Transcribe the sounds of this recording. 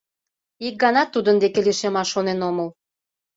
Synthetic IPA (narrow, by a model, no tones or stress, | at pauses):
ik̚ɡɑnɑt̪ːud̪ənd̪ekeleʃemɑʃonenoməl